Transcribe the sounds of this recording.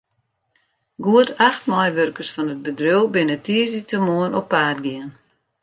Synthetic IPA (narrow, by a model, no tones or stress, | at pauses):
ɡuətʰaxtmɔjʋørkərsfɔnət̚bədrøwbɪnətiəzitəmuənɔpːaːtɡiən